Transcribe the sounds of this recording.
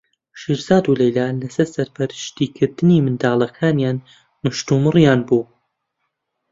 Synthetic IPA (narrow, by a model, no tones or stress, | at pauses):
ʃiːɾz̥aːd̪uːlejlaːlɐsɐɾsɐɾpʰɐɾɨʃt̪iːkʰɨɾd̪ɨniːmɨnd̪aːlˠɐkʰaːnjaːn | mɨʃt̪uːmɨrjaːnbuː